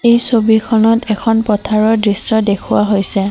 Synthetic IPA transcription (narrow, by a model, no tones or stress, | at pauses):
ejsobikʰɔnɔtʰɛkʰɔnpɔtʰaɹɔdɹisɔdekʰʊwaɦojsɛ